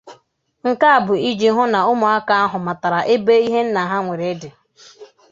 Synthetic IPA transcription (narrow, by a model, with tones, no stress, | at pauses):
ŋ̩˨ka˦a˨bʊ˨i˦d͡ʒi˦ɦʊ˦na˨ʊ˦mʊ˨a˦ka˦a˦ɦʊ˨ma˨ta˨ɾa˨ʔe˦be˦i˦ɦe˦n̩˦na˨ɦa˦ŋʷe˨ɾe˨˦dɪ˨